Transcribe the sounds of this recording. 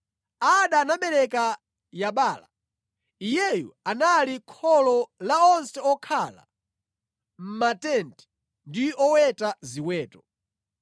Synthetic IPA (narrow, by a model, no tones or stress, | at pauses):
aɗanaɓɛɾɛka | jaɓaːla̰ | ijɛjṵanalikʰɔlɔlaɔnsɛɔkʰala̰ | m̩matɛntɛ̥ | ndiɔwɛtaziwɛːtɔ